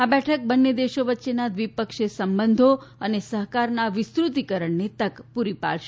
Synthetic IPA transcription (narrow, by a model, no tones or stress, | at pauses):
abɛʈʰək̚bənːed̪eʃoʋətːʃenad̪ʋipəkʃesəmbənd̪ʱoənesəɦkaɾnaʋɪst̪ɾut̪ikəɾəɳnet̪əkpuɾipa̰lʃe